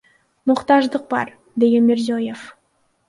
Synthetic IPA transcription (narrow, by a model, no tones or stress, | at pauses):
mʊqt̪ɑʒd̪əq̚bɑ̰ɾ | d̪e̞ɡʲenmeɾzoje̞f